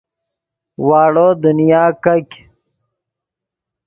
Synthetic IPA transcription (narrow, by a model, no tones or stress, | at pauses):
waːɽoːd̪unijaːkɐkʲ